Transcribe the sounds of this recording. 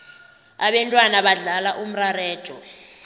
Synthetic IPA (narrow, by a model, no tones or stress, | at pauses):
a̰ɓɛntʼwanaɓaɮalaʔum̩rarɛːd̥ʒ̥ʱɔ